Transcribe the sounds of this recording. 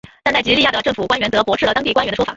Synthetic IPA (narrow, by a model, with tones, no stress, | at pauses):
t̪a˥˧nt̪a˥˩ɪt͡ɕi˧˥i˥˧ja˥˩ɤ˨˩ʈ͡ʂɤ˥˩ŋfu˨˩kwa˥nɥɛ˧˥nt̪ɤ˧˥pwɔ˧˥ʂɻ̩˥˩ə˩ɑ˥ŋt̪i˥˩kwa˥nɥd̪ə˩ʂwfa̰˨˩˦